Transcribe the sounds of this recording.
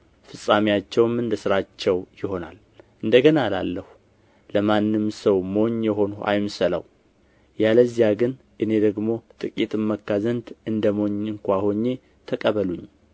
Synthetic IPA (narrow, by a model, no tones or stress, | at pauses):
fɨsʼamijat͡ʃːɛwmɨnd̪əsɨɾat͡ʃːɛwjɪho̞na̰l | ʔɨnd̪əɡənala̰lːəhu | ləmanːɨmsəwmo̞ɲjɛɦo̞nua̰jmsəla̰w | jaləzːijaɡɨn | ʔɨne̞d̪əɡmo̞t̪ʼɨkʼit̪ʼɨmːəkːazənd̪ɨnd̪əmo̞ɲːɨŋkʷaho̞ɲːe̞ | t̪ʰəkʼəβəluɲː